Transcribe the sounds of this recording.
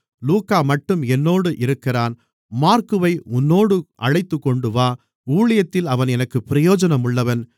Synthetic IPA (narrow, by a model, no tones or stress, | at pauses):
luːkaːmɐʈːɯmɛnːoːɽɯʔɪɾɯkːɪraːn | maːɾkɯʋɐɪʊnːoːɽɯʔɐɻɐɪt̪ːɯkːɔɳɖɯʋaː | uːɭɐjɐt̪ːɪlɐʋɐnɛnɐkːɯpːɪɾɐjoːd͡ʒɐnɐmʊɭːɐʋɐn